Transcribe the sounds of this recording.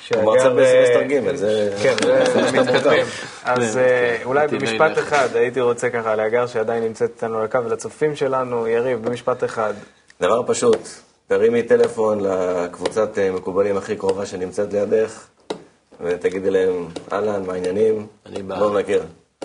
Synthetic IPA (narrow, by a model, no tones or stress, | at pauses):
ʃeamaʁɡaamisaʁɡimelzekenemiaim | azulajbemiʃpat̪eχad̪ajit̪̬iʁo̞t͡se̞kaχaleaɡaʁʃead̪ajinːimt͡set̪i̥t̪anulakavelat͡sofimʃe̞lanujaʁivbemiʃpat̪e̞χad̪ | d̪avaʁpaʃut̪ | daʁimit̪e̞le̞fo̞nlakvut͡sat̪me̞kubalimaχikʁo̞vaʃenimt͡set̪lejad̪eχ | vet̪aɡid̪ilaema̰lanmainjanimlomnakiʁ